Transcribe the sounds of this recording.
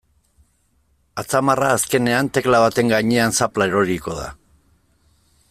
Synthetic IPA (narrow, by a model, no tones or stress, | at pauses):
at͡samaraːske̞ne̞ant̪e̞klaβat̪e̞ŋɡaɲe̞ansaplaeɾoɾiko̞ða̰